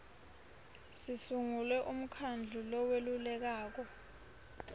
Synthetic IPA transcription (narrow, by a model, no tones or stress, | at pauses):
sisuŋulwɛʔum̩kʰand͡ɮʱulɔwelulɛk̬aːk̬ɔ